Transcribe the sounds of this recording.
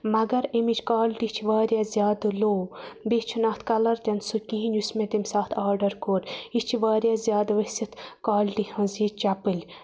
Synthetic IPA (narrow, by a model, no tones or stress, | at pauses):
mɐɡɐɾemit͡ʃʰkaːlʲʈit͡ʃʰiʋaːɾjaːzʲjaːd̪ɨloːbet͡ʃʰunaːt̪ʰkɐlɐɾt̪ʲɐnsukĩɦinʲusmẽt̪imsaːt̪ʰaːɾɖɐɾkoːɾit͡ʃʰiʋaːɾʲjaːzjaːd̪ʋɐsit̪ʰkaːlʲʈihɐ̃ziːt͡ʃapɨlʲ